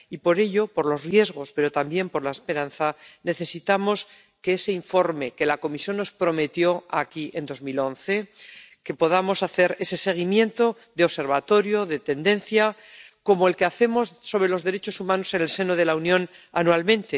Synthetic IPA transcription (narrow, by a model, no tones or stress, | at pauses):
ipo̞ɾe̞ʎo̞po̞ɾlo̞zrje̞zɣ̞o̞spe̞ɾo̞t̪ambje̞mpo̞ɾlaespe̞ɾãnθane̞θe̞sit̪amo̞s | keese̞iɱfo̞ɾme̞ke̞lako̞misjo̞nːo̞spɾo̞me̞t̪jo̞akiʔend̪o̞zmilõ̞nθe̞ke̞po̞ð̞amo̞saθe̞ɾe̞se̞se̞ɣ̞imjẽ̞nt̪o̞ | ðeoβse̞ɾβ̞at̪o̞ɾjo̞ðe̞t̪e̞nd̪e̞nθja | ko̞moe̞lkeaθe̞mo̞sːo̞β̞ɾe̞lo̞zðeɾe̞t͡ʃo̞sumãno̞se̞ne̞lse̞noð̞e̞launjõ̞n | a̰nualmẽnt̪e